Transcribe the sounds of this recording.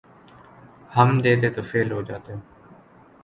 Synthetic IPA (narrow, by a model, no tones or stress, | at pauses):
həmd̪eːt̪eːt̪oːfʰeːlɦoːd͡ʒaːt̪eɦõː